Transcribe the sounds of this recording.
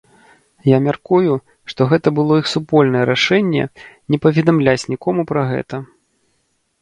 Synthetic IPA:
jamʲarkuju | ʂt̪ɔɣɛt̪ɐbɨlˠɔixsupɔlʲnɐjɛɾaʂɛnʲːɛ̰nʲɛpɐvʲɛd̪amlʲat͡sʲnʲikɔmupɾɐɣɛ̰t̪ɐ

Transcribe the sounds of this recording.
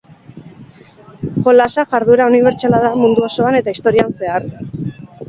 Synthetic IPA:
xo̞lasaʝaɾðuɾauniβe̞ɾt͡ʃalaðamund̪uoso̞ane̞t̪aist̪o̞ɾianse̞aɾ

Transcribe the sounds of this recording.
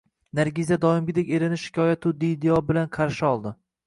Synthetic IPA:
naɾɡʲizad̪ɒɪmɡʲɪd̪ekʲe̞ɾɪnɪʃɪ̥kʲʰɒjat̪ʰʊd̪ijd̪eɒbɪlanqʰɑɾʃɪɒlˠd̪ɪ

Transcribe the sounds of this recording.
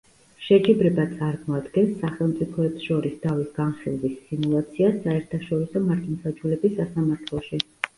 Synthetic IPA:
ʃɛt͡ʃʼibɾɛbat̪sʼaɾmɔad̪ɡɛnsːaχɛlˠmt̪sʼipʰɔɛpsʃɔɾisd̪ʰavisɡ̥anχilˠvisːimulˠat̪sʰiasaɛɾt̪ʰaʃɔɾisɔmaɾt̪ʰʼinsad͡ʒulɛbisːasamaɾt̪ʰlˠɔʃi

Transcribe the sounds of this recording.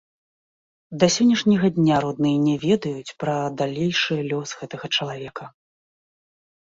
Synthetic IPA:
d̪ɐsʲɔnʲːɐʂnʲɐɣɐd̪ʲnʲaɾɔd̪nɨjɐnʲɛvʲɛd̪ɐjut͡sʲpɾɐd̪alʲejʂɨjɐlʲɔsɣɛt̪ɐɣɐt͡ʂɐlˠavʲɛkɐ

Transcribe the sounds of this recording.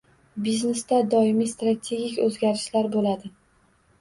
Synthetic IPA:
bizne̞st̪ad̪ɒɪmist̪ɾat̪ʲʰe̞ɡʲikʲɵzɡʲaɾɪʃlaɾbolad̪ɪ

